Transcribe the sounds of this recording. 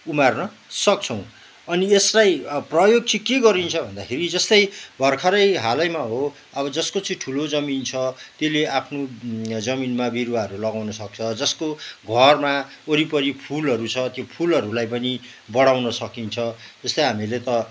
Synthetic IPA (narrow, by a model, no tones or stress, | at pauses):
umarnʌ | sʌk̚t͡sʰʌw̃ | ʌnieslajprʌjoɡ̚t͡sikeɡʌɾint͡sʰʌbʱʌnd̪akʰeɾid͡zʌst̪ʌjbʱʌrkʰʌɾʌjɦalʌjmaɦo | ʌbʌd͡zʌskot͡sĩʈʰulod͡zʌmint͡sʰʌt̪jeleʔapʰnod͡zʌminmabiɾwaʌɾulʌɡawnʌsʌk̚t͡sʰʌd͡zʌskoɡʱʌrma | oɾipʌɾipʰulɦʌɾut͡sʰʌt̪jopʰulʌɾulajpʌni | bʌɽawnʌsʌkint͡sʰʌd͡zʌst̪ʌjɦamilet̪ʌ